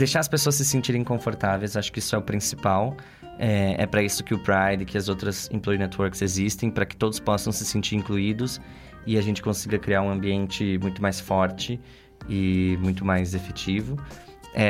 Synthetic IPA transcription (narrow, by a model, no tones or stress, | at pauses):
d̪ejʃaɾɐspesoɐs̬ːɪsẽnt͡ʃiɾẽĩkõfoɾt̪avejzaʃʊ̥kɪisʊɛʊpɾĩsi̥paw | ɛɛ̰pɾɐisʊ̥kɪʊpɾajd̪ɪkɪɐzowt̪ɾɐzḭ̃ploɾinɛt̪woɾksezist̪ẽj̃pɾɐkɪ̥t̪od̪ʊspɔsɐ̃w̃sɪsẽnt͡ʃiɾĩŋkluid̪ʊs | ɪaʒẽnt͡ʃɪ̥kõsiɡɐkɾiaɾũɐ̃mbiẽnt͡ʃɪmũj̃t̪ʊmajsfɔɾt͡ʃɪ | ɪmũj̃t̪ʊmajzefet͡ʃivʊɛ